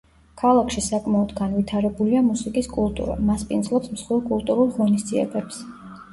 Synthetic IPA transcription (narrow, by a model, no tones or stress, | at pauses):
kʰalˠakʰʃisakʼmaɔd̪ɡanvit̪ʰaɾɛbuliamusikʼiskʼulˠt̪ʼṵɾa̰maspʼind̪zlˠɔpsmsχwilˠkʼulˠt̪ʼuɾulˠʁɔnisd̪ziɛ̰bɛps